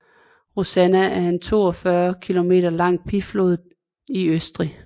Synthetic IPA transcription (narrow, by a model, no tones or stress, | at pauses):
ʁosænææɐe̝nt͡sʰo̝̰ːɒ̽fɶɐkʰilo̝me̝̰ːd̥ɐlɑ̈ŋ̰̚pʰiflo̝ːð̩ˠ | iøsd̥ʁi